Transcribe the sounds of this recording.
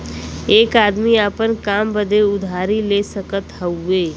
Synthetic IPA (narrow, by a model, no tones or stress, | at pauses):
eːkaːd̪miaːpənkaːmbəd̪ʱeʊd̪ʱaːɾilesəkət̪ɦəueː